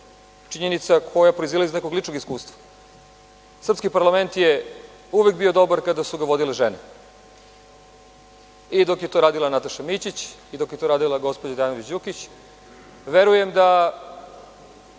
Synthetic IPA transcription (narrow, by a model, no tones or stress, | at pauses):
t͡ʃiɲenit̪sakʰo̞japɾoizilaizneko̞ɡlit͡ʂnoɡiskuːst̪ʋḁ | sr̩pskipaɾlame̞nt̪je | uʋek̚bio̞d̪o̞baɾkad̪asuɡaʋo̞d̪ileʒene | id̪o̞kjet̪oɾaːd̪ilˠanat̪aʃamit͡ɕit͡ɕid̪o̞kjet̪oɾaːd̪ilˠaɡo̞spod͡ʑad̪anoʋit͡ɕjukit͡ɕ | ʋeɾuje̞md̪a